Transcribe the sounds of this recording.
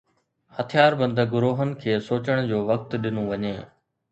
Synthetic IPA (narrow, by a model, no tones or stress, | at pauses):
hɐt̪ʰijaːɾbɐ̃nd̪ʱəɡʊɾoːɦənɪ̆kʰeːsoːt͡ɕəɽ̃d͡ʑoːʋɐk̚t̪ɗɪnoʋɐɲeː